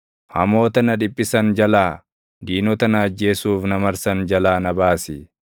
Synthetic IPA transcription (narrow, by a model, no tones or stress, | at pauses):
hɐ̰mo̞ːt̪ɐnɐᶑ̪ɪpʼːɪsɐnd͡ʒɐlaː | d̪iːnɔt̪ɐnɐːd͡ʒːe̞ːsuːfnɐmɐɾsɐnd͡ʒɐlaːnɐbaːsɪ